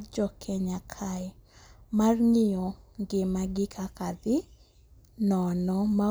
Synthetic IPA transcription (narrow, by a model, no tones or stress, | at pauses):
d͡ʒɔkʰɛɲakʰa | marŋɪjɔŋɡɪmaɡɪkʰakad̪ɪ | nɔnɔma